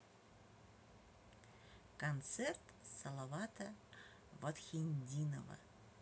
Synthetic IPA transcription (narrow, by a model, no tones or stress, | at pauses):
kont̪sert̪sɐlˠovɑt̪ə | vot̪xʲinʲd̪ʲino̰və̰